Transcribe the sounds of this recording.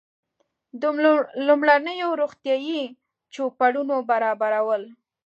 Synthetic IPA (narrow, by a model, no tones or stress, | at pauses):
d̪lumɽanəjoɾoxt̪jɑji | t͡ʃopaɽunobaɾɑbaɾawəl